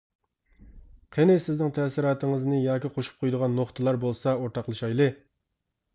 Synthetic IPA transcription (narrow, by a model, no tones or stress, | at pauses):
qʰenɪsɪznɪŋt̪ʰɛsɪɾɑːt̪ʰɨŋɨznɨjɑːkʲiqʰoʃu̥p̚qʰojd̪əʁɑnːoχt̪ʰɨlˠɑɾbolˠsɑoɾt̪ʰɑqlˠɨʃɑjlˠɨ